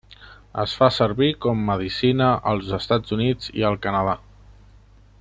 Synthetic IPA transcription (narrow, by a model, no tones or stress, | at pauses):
ə̰sfasəɾβikɔmːəðisinəʔəlˠzəst̪ad͡zunid͡zḭəlˠkənəða